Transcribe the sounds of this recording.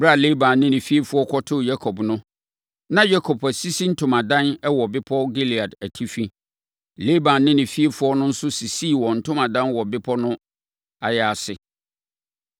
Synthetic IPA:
bɾa˦˨le˦bã˨nnɪ̃˦nɪ̃˨fi˦e˦fʊ˦ɔ˦kʰɔ˦tʰʊ˦˨ja˦kʰɔ˨bnʊ̃˦ | nã˦ja˦kʰɔ˨pʰæ˨si˦si˦n̩˦tʰʊ˨mã˨dã˦nɛ˦wɔ˨bɪ˦pʰɔ˦ɡi˦li˨a˨dæ˨tʰi˦fi˦ | le˦bã˨nː˦ɪ̃˦nɪ̃˨fi˦e˦fʊ˦ɔ˦nʊ̃˦n̩˦sʊ˦si˨si˦˨wɔ̃˨n̩˨tʰʊ̃˦mã˨dã˦nwɔ˨bɪ˦pʰɔ˦nʊ̃˦ | a˨jɛ˨a˨sɪ˨

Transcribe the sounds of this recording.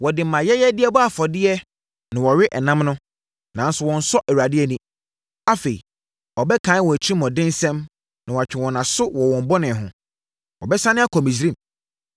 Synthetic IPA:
wɔ˨dɪ˨m̩ː˨ã˨jɛ˦jɛ˦dɪ˦ɛ˦bɔ˦a˨fɔ˨dɪ˦ɛ˦ | nɪ̃˨wɔ˨ɥɪ˦ʔɛ˨nã˦mnʊ̃˦ | nã˨˦n̩˦sʊ˨wɔ̃˨n̩˨sɔ˦ʔæ˨wu˨a˨dɪ˦ɛ˨nĩ˦ | a˦fe˨ḭ˨ | ɔ˨bɛ˦kʰã˨˦n˦wɔ̃˨æ˨t͡ɕʰi˦ĩ˦m˨ɔ̃˨dɪ̃˦n˦sɛ̃˦m | nã˨wa˨t͡ɕᶣʰɪ̃˨wɔ̃˨nã˨sʊ˦wɔ˨wɔ̃˨m˦bɔ˦nɪ̃˨ɦʊ̃˨ | wɔ̰˨bɛ˦sa˦nɪ̃˦a˦kʰɔ˨mĩ˨s̬ɾĩ˦˨m

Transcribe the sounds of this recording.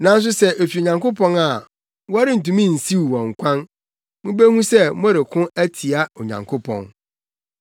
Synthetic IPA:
nã˨n˦s̬ʊ˦sɛ˦ʔe˨fi˨o˨ɲã˨ŋkʊ˦pʰɔ̃˦na˨ | wɔ˦a˦ɾɪ˦n̩˨tũ˨mĩ˦˨n̩˨si˦wu˨wɔ̃˨ŋ̩˨kʷʰã˦n | mũ˦bæ˦hũ˦sɛ˦mɔ̃˦ɾɪ˨kʰʊ̃˦æ˦tʰi˨a˦ɔ˨ɲã̰˨ŋkʰʊ˦pʰɔ̰̃˨n

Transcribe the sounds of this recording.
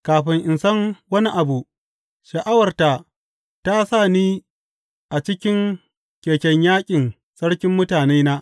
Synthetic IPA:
kaː˨ɸɪ˦ŋʔɪ˨nsɐ˦ŋwɐ˦ni˦ʔa˨bu˨ | ʃɐ˨ʔa˦wɐ˨rta˨ | ta˦sa˦˨niː˦ | ʔa˨t͡ʃɪ˦kʲɪ˦ŋ | kʲeː˨kʲɛ˦ɲjaː˦kʲʼɪ˨n | sɐ˦ɽkʲɪ˦mːʊ˦taː˨neː˦naː˦ʔ

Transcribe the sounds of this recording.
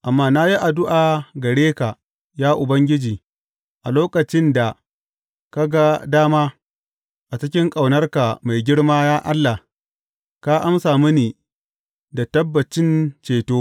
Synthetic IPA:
ʔa˨mːaː˦na˦ji˦ʔa˨dʊ˦ʔaː˨ɡɐ˨ɽeː˦ka˨ | jaː˦ʔʊ˨bɐ˦ŋɡʲɪ˦d͡ʒiː˨ | ʔa˨loː˦kɐ˨t͡ʃɪ˦nda˨ | ka˦ɡa˦daː˦maː˦ | ʔa˨t͡ʃɪ˦kʲɪ˦ŋkʼa˨wnɐ˦rka˨ma˨jɡʲɪ˦ɽmaː˦jaː˦ʔa˦lːa˨h | ka˦ʔa˦msaː˨mi˦niː˨ | da˨tɐ˦bːɐ˨t͡ʃɪ˦nt͡ʃeː˨toː˦

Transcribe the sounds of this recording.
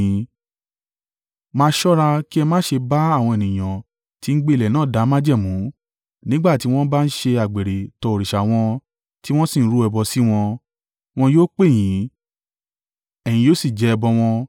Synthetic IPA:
mãː˦ʃɔ˦ɾa˧ki˦ɛ˧mãː˦ʃe˧ba˦a˦˨w̃ɔ̃˧e˨nĩ˨j̃ã˨ | ti˨˦n̩˦ɡ͡be˦i˨lɛ˨nãː˨˦˨da˨˦mã˦d͡ʒɛ˦˨mũ˨˦ | nĩ˦ɡ͡ba˦˨ti˨˦w̃ɔ̃˦ba˦˧n̩˦ʃe˧a˨ɡ͡be˨ɾe˨tɔ˧o˨ɾi˨ʃa˨w̃ɔ̃˧ | ti˦w̃ɔ̃˦sĩ˦˨n̩˦ɾu˨˦ɛ˧bɔ˧si˦w̃ɔ̃˧ | w̃ɔ̃˧joː˦k͡pe˦˨j̃ĩ˨˦ | ɛ˨j̃ĩ˧joː˦si˦˨d͡ʒɛ˨˦˧bɔ˧w̃ɔ̃˧

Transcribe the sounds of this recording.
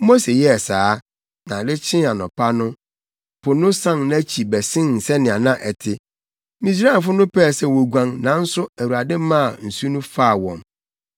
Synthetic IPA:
mo˦se˨jɛ˦˨saː˨˦ | nã˨dɪ˦t͡ɕʰɪ̃˦a˨nɔ̃˨pʰa˦nʊ̃˦ | pʰʊ˨nʊ̃˦sã˦ŋñ˦t͡ɕʰi˨bɛ˨sɪ̃˦nn̩˨sɛ˦nɪ̃˨a˨nã˦ʔɛ˨tʰɪ˦ | mĩ˨s̬ɾaː˦˨nfʊ˦nʊ̃˦pʰɛ˦˨sɛ˦˨wo˨ɡʷã˦ŋnã˨n̩˦sʊ˦æ˨wu˨ɾa˨dɪ̃˦mã˦˨n̩˨su˦nũ˦faː˦˨wɔ̃˨m

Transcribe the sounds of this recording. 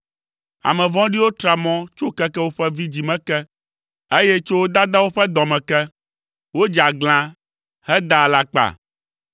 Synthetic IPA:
a̰˨mɛ̃˨vɔ̃˦ɖi˦wo˦t̪ɾa˨mɔ̃˦t͡ʃo˦kɛ˦kɛ˦wo˦ɸɛ˦vi˦d͡ʑi˨mɛ̃˦kɛ˦ | e˦jɛ˦t͡ʃo˦wo˦d̪a˦d̪a˦wo˦ɸɛ˦d̪ɔ̃˨mɛ̃˨kɛ˦ | wo˦d͡ʒa˨ɡ͡bl̃ã˦ | hɛ˦d̪a˨la˨k͡pa̰˨

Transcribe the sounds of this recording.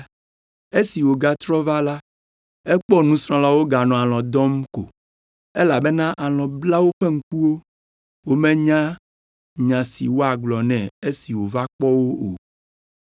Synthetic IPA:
e˦si˨wo˨ɡa˨t̪ɾɔ˦va˦la˦ | e˦k͡pɔ˦nũ˦sɾ̃ɔ̃˦la˦wo˦ɡa˨nɔ̃˨a˨lɔ̃˨d̪ɔ̃˦mko̰˨ | e˦la˨be˦nã˦ʔa˨lɔ̃˨bla˦wo˦ɸe˦ŋ̩˦ku˦wo˦ | wo˦mɛ̃˦ɲã˦ | ɲã˨sḭ˨wo˦a˨ɡ͡blɔ˨nɛ̃˨e˦si˨wo˨va˦k͡pɔ˦wo˦o˨

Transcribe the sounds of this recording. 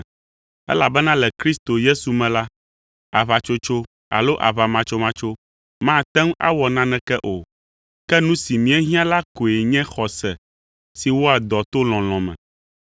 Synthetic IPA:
ɛ̰˦la˨bɛ˦nã˦lɛ˨kɾi˦st̪o˨je˦su˨mɛ̃˨la˦ | a˨βa˨t͡ʃo˦t͡ʃo˦ | a̰˨lo˦ʔa̰˨βa˨mã˨t͡ʃo˦mã˦t͡ʃo˦ | mã˦t̪ɛ˦ŋ˦a̰˦wɔ˨nã˦nɛ̃˦kɛ˦ʔo˨ | kɛ˦nũ˦si˨mĩ˨˦ɛ˦ɦĩ˦ã˦la˦ko˨e˨ɲɛ̃˦xɔ˨sɛ˨ | si˨wo˦a˨d̪ɔ˨t̪o˦l̃ɔ̃˨l̃ɔ̃˨mɛ̰̃˨

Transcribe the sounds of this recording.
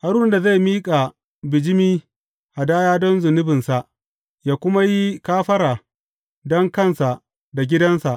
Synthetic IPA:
ha˦ɾʊ˦nda˨za˦˨miː˦kʼa˨ | bɪ˨d͡ʒɪ˦miː˦ | ʔa˨daː˦jaː˦dɔ˦nzʊ˨nʊ˦bɪ˨nsa˨ʔ | jaː˦kʷʊ˦ma˦ji˦kaː˦ɸɐ˦ɾaː˨ | dɔ˦ŋkɐ˦˨nsa˨ʔ | da˨ɡʲɪ˦dɐ˦nsa˨ʔ

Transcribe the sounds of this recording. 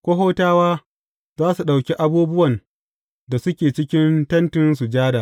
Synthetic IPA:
kʷo˦ɦoː˦taː˦waː˦ | zaː˦su˨ɗa˨wkʲe˦ʔa˦buː˦bʊ˦wɐ˨n | da˨sʊ˦kʲeː˨t͡ʃɪ˦kʲɪ˦ntɐ˦ntɪ˦nsu˨d͡ʒaː˦da˨

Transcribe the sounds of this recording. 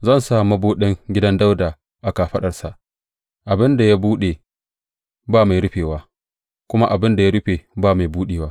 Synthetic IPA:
zɐ˦˨nsaː˨mɐ˦buː˦ɗɪ˦ŋɡʲɪ˦dɐ˦nda˦wdaː˨ | ʔa˨kaː˨ɸɐ˦ɗɐ˨rsa˨ʔ | ʔa˨bɪ˦nda˨ja˦buː˦ɗeː˨ | baː˦ma˨jɾʊ˦ɸeː˨waː˦ | kʷʊ˦ma˦ʔa˨bɪ˦nda˨ja˦ɽʊ˦ɸeː˨baː˦˨ma˨jbuː˦ɗeː˨waː˦

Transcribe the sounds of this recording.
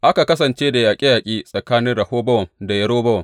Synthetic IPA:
ʔa˦ka˨kɐ˦s̬ɐ˨nt͡ʃeː˦da˨jaː˨kʲʼi˦jaː˨kʲʼiː˦sʼɐ˨kaː˦nɪ˦ɽɐ˨hoː˦bɐ˦wɐ˨nda˨jɐ˦ɽoː˦bɐ˦wɐ˨ŋ

